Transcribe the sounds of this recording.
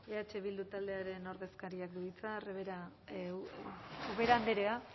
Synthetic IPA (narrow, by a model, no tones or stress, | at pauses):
eat͡ʃeβild̪ut̪ald̪e̞aɾe̞no̞ɾðe̞skaɾiakd̪uðit͡sareβeɾa | oβeɾaːnd̪eɾe̞a